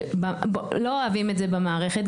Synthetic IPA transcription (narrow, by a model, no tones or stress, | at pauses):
balo̞oavimetzebemaːʁeχet